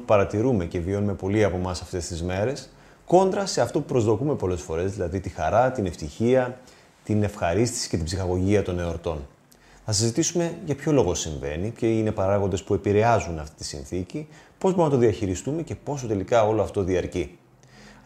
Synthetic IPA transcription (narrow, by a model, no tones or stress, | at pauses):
upɐɾɐt̪iɾume̞ce̞vio̞nume̞po̞liɐpo̞mɐsɐft̪e̞st̪izme̞ɾe̞s | ko̞nd̪ɾɐse̞ɐft̪opupɾo̞zðo̞kume̞po̞le̞sfo̞ɾe̞zðilɐðit̪ixɐɾɐt̪ine̞ft̪içiɐ | t̪ine̞fxɐɾist̪i̥si̥ce̞t̪ibsixɐɣo̞ʝiɐt̪o̞ne̞oɾt̪o̞n | θɐs̬izit̪isume̞ʝɐpço̞lo̞ɣo̞siɱve̞̰niceine̞pɐɾɐɣond̪e̞spue̞piɾe̞ɐzunɐft̪i̥t̪i̥sḭnθicipo̞zboɾnɐt̪ðiɐçiɾist̪ume̞ce̞po̞sot̪e̞likɐo̞lo̞ɐft̪o̞ðiɐɾci